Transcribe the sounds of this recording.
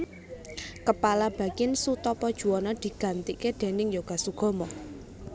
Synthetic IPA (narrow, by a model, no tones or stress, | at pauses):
kəpalab̥ä̤kɪnsut̪ɔpɔd̥ʒ̥ṳɔnɔd̪̥i̤ɡ̥ä̤nt̪iʔked̪̥e̤nɪŋjoɡ̥asuɡ̥ɔ̤mɔ